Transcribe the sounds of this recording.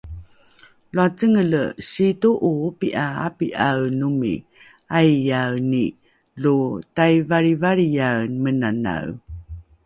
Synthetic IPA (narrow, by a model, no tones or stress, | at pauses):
luat͡səŋələɕituʔupiʔaa̰piʔawnumḭ | ajjawni | lutajvaɾivaɾijawnmənana̰w